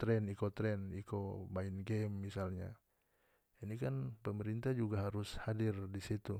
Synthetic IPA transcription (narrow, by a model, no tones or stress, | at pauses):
t̪ɾɛnikot̪ɾɛnikobainɡɛmːisalɲa̰ | inikanpəməɾint̪ahd͡ʒuɡaɦaɾʊshadirdisit̪u